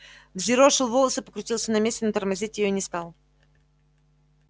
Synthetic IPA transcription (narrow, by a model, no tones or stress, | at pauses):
vzʲɪɾoʂɨlˠvolˠəsɨpəkɾʊtʲilˠsʲənɐmʲesʲtʲɪnət̪ərmɐzʲitʲjɪjoinʲɪst̪alˠ